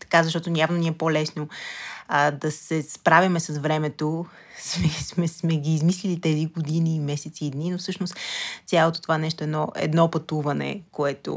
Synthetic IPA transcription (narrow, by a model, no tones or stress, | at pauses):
t̪ɐ̥kazɐʃt̪ɔt̪onʲabnoniɛpɔlɛsno | d̪ɐsɛspɾavʲimɛsɐsvɾɛmɛt̪o | smɛsmɛsmɛɡiːzmislilit̪ɛziɡod̪iniːmɛsɛt̪siːd̪ninofsɤʃnost̪sʲjalˠot̪o̥t̪ovaɛnɛʃt̪oɛd̪nɔʔɛ̰d̪nɔpɐt̪uvɐnɛ̰koɛt̪o̰